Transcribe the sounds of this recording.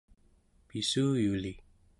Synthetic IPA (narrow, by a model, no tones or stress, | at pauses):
pisujuli